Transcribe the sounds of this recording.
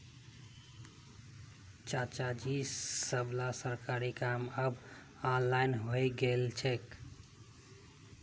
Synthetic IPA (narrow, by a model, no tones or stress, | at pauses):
t͡ʃat͡ʃad͡ʒisəblasəɾkaɾikaməb | anlajnɦojɡelt͡ʃʰek